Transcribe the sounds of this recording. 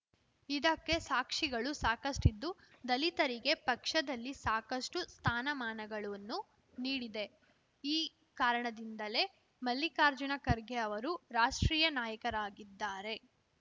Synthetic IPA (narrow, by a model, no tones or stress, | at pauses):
id̪ɐkːe̞saːkʂiɡɐɭusaːkɐsʈid̪ːu | d̪ɐlit̪ɐɾiɡe̞pɐkʂɐd̪ɐlːisaːkɐsʈust̪ʰaːnɐmaːnɐɡɐɭuɐnːu | niːɽid̪e̞ | iː | kaːɾɐɳɐd̪ind̪ɐle̞ | mɐlːikaːɾd͡ʒunɐkɐɾɡeɐʋɐɾuɾaːʂʈɾiːjɐnaːjɐkɐɾaːɡid̪ːaːɾe̞